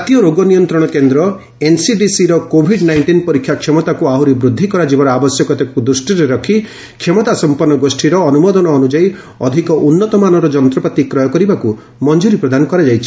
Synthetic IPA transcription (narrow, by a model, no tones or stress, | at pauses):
d͡ʒat̪ijɔɾoɡɔnijɔnt̪ɾɔɽ̃ɔkend̪ɾɔ | ensiɖisiɾɔkobʱiɖnajɳʈinpɔɾikʰjakʰemɔt̪akuaɦuɾibɾud̪ʱːikɔɾad͡ʒibɔɾɔabɔsjɔkɔt̪ekɔkud̪ɾusʈiɾeɾɔkʰi | kʰemɔt̪asɔmpɔɾnːɔɡosʈʰiɾɔːnumɔd̪ɔnɔːnud͡ʒaj | ɔd̪ʱikɔʔunːɔt̪ɔmanɔɾɔd͡ʒɔnt̪ɾɔpat̪ikɾɔjɔkɔɾibaku | mɔnd͡ʒuɾipɾɔd̪anɔkɔɾad͡ʒajt͡ʃʰi̥